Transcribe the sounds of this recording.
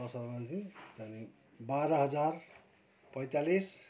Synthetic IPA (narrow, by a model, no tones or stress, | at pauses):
ʌsʌɾmansit̪ani | baɾʌɦʌd͡zar | pʌjt̪alis